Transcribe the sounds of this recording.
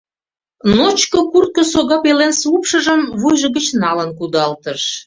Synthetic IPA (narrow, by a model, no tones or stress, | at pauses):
not͡ɕkokurt̪̚kosoɣɑpelensupʃə̆ʒəmβujʒə̆ɣət͡ɕnɑlənkud̪ɑlt̪əʃ